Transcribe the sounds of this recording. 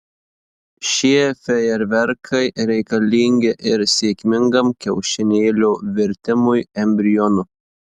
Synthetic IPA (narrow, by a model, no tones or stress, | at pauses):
ʃʲiɛfʲɛɛɾʋʲɛɾkʰɐɪɾʲɛɪkɐlʲiːŋʲɡʲɪʔɪɾsʲeːkʲmʲɪŋɡɐmkʲɛʊʃʲɪnʲeːlʲoːʋʲɪɾʲt̪ʲɪmʊjɛmʲbʲɾʲɪjɔnʊ